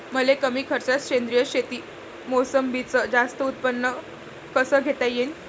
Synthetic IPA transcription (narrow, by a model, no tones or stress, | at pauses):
məlekəmiːkʰəɾt͡ɕat͡sɕend̪ɾijəɕet̪iː | mosəmbʱit͡səd͡zast̪əut̪̚pənːə | kəsəːɡʱet̪ajen